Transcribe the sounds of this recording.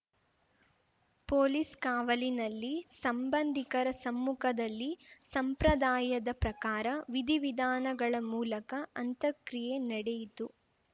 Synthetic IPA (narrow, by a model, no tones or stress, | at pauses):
poːliskaːʋɐlinɐlːisɐmbɐnd̪ʱikɐɾɐsɐmːukʰɐd̪ɐlːisɐmpɾɐd̪aːjɐd̪ɐpɾɐkaːɾɐʋid̪ʱiʋid̪ʱaːnɐɡɐɭɐmuːlɐkɐɐnt̪ɐkɾije̞nɐɽejit̪u